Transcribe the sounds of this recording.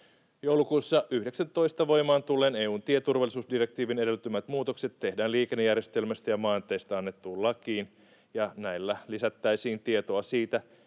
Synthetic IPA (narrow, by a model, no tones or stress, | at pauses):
jowlukuːsːɑʔyhdeksænt̪o̞ist̪ɑʋo̞jmɑːnt̪ulːeːneːuːnt̪iet̪urʋɑlːˑisuːsdire̞k̚t̪iːʋine̞dɾe̞lt̪ymæt̪muːt̪o̞kse̞t̪ːe̞hdæːliːkenːejærje̞st̪e̞lmæst̪æjɑmɑːnt̪ejst̪æɑnːet̪ːuːllːɑkiːn | jɑnæilːælisæt̪ːæisiːnt̪iet̪o̞ɑsiːt̪æ